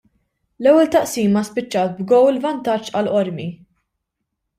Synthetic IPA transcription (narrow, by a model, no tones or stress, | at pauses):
lɛwːɛlt̪ɐʔsiːmːɐspɪt͡ʃːɐːt̪̚bɡɔwɪlvɐnt̪ɐt͡ʃːɐlʔɔɾmi